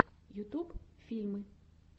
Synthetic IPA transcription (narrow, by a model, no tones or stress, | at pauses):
jʊt̪ubfʲilʲmɪ